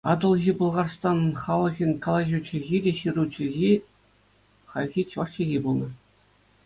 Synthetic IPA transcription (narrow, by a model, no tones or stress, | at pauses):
ɑd̪ɤ̆lˠɣʲibulˠʁɑrst̪ɑnχɑlˠɤ̆ɣʲĭnʲkolˠɑʑʲut͡ɕʰĭɣʲidʲeɕirut͡ɕʰʲĭɣʲi | χɑlʲɣʲit͡ɕʲʋɑʂkʲeɣʲibulˠnɤ̆